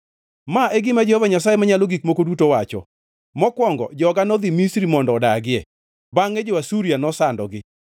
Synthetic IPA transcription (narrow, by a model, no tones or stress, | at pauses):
maeɡɪmad͡ʒehovaɲas̬ajemaɲaloɡikmokodutowat͡ʃɔ̰ | mɔkwɔŋɡɔ̰d͡ʒɔɡanɔd̪imisɾimɔndɔːdaɡɪɛ | baŋed͡ʒowasuɾianɔsandɔ̰ɡɪ